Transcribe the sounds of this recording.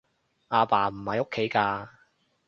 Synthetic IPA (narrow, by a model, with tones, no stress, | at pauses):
ʔaː˧paː˨˩m̩˨˩hɐ˨jo˥kʰːe˨˥jkaː˧